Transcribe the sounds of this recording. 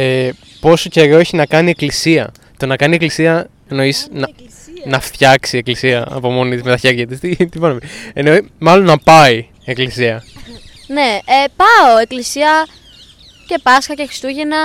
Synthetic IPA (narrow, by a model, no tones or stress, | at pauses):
e | po̞so̞ce̞ɾo̞eçinɐkɐnie̞klisiɐ̰ | t̪onɐkɐnie̞klisiɐ | eno̞isnɐ | nɐft̪çɐksie̞klisiɐɐ̰po̞mo̞nit̪izme̞t̪ɐçe̞ɾʝɐt̪ist̪it̪ivɐnomenoimɐlo̞nːɐpɐi | e̞klisiɐ | ne̞epɐoe̞klisiɐ | ce̞pɐsxɐcexɾi̥st̪uʝenɐ